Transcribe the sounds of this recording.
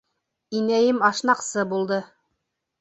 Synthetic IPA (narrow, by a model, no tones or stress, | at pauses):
inæjɘmɑʃnɑqsɤbulˠd̪ɤ